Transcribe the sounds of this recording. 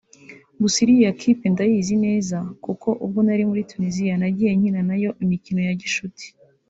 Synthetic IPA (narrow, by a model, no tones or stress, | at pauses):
busiɾijjakʰipe̞ndajizine̞ːzakuko̞ʔub̚ɡonaɾimuɾitunizijanaɟije̞ɲ̥inanajo̞ʔimicino̞jaɟiʃuti̥